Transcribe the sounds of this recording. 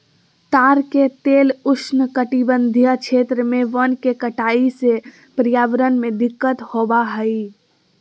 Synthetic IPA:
t̪aːɾket̪eːlʊsnəkəʈibə̃nd̪ʱijakʃʰeːt̪ɾəmẽʋənkekəʈaːise | pɾijaːʋɾənmẽd̪ɪkːət̪hoːbaɦəi

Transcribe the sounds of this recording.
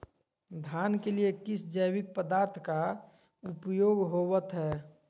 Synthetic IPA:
d̪ʱaːnkeliekɪsd͡ʒəjwɪk̚pəd̪aːɾt̪ʰka | ʊpjoːɡɦowət̪ɦɛː

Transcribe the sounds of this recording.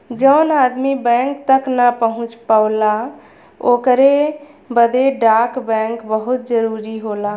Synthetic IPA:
d͡ʒəʊnaːd̪mibɛ̃ːŋkt̪əknapəɦʊ̃t͡ʃpəʊla | oːkɾe | bəd̪eɖaːkbɛ̃ːŋkbəɦʊt̪̚d͡ʒəɾuːɾiɦoːlaː

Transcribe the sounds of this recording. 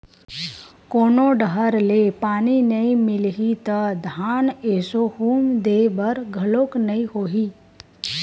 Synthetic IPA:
koːnoɖəɦəɾlepaːninəĩmɪlɦit̪əd̪ʱaːneːsohuːmd̪eːbəɾɡʱɐloːknɐĩhoːɦiː

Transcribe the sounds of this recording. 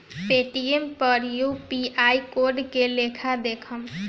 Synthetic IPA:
peʈiempəɾjupiajkoɾɖkelekʰad̪ekʰəm

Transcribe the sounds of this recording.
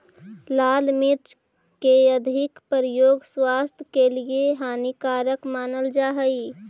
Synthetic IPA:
laːlmɪɾt͡ʃ | keəd̪ʱɪkpəɾjoːɡswaːst̪ʰkelieɦaːnikaːɾəkmaːnəld͡ʒaːɦəi

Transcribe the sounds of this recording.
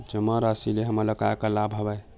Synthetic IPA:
d͡ʒəmaɾasileɦəməɾləkajkəlabʱɦəbə

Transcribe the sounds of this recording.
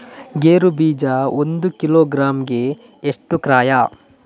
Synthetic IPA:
ɡeːɾubiːd͡ʒaond̪ukiloːɡɾaːmɡeː | ʂʈukɾaːja

